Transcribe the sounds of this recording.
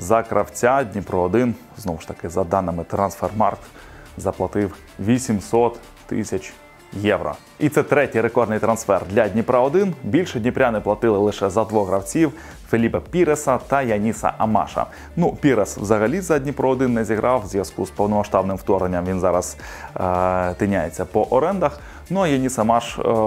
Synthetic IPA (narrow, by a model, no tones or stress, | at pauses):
zɐkɾʔɐwt͡sʲadʲnʲipɾɔːd̪ɪn | znɔʋʊʃt̪ɐkɪzɐd̪ɑnɪmɪt̪ɾɐnsfɛrmɑ̰rk̪ | zɐplˠɐt̪ɪw | ʋʲisʲimsɔt̪ː | ɪ̰sʲɐt͡ʃʲ | jɛwɾɔ̰ | it̪sɛt̪ɾɛtʲijɾekɔrd̪nɪjt̪ɾɐnsfɛrd̪lʲɐdʲnʲipɾɐɔd̪ɪnbʲilʲʃɛdʲnʲipɾʲanɪplˠɐt̪ɪlˠɪlˠɪʃɛzɐd̪ʋɔɣɾɐwt͡sʲiw | felʲipɐpʲiɾesɐt̪ɐjɐnʲisɐ̰ʔɐmɑ̰ʃɐ̰ | nupʲiɾeswzɐɦɐlʲizɐdʲnʲipɾɔɔd̪ɪnːɛzʲiɦɾʔɑwzʲʋjɐskuspɔwnɔmɐʃt̪ɑbnɪmwt̪ɔɾnenʲːɐmʋʲinzɑɾɐz̥ | t̪ɪnʲajet͡sʲːɐpɔʔɔɾɛnd̪ɐx | nuɐjɐnʲisɐmɑʃ